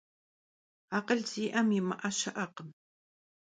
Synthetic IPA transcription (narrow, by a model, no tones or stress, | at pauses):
aqəɮziːʔɐmɪmaʔaʃɐʔɐqəm